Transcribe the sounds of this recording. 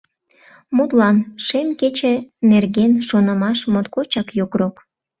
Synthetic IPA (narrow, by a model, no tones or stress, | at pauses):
mut̪lɑnʃemket͡ɕenerɣenʃonəmɑʃmot̪kot͡ɕɑkjokrok